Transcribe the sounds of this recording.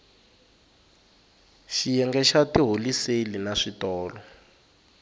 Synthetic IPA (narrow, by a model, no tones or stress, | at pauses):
ʃijɛŋɡɛʃatiɦoliselinaʂitɔːlɔ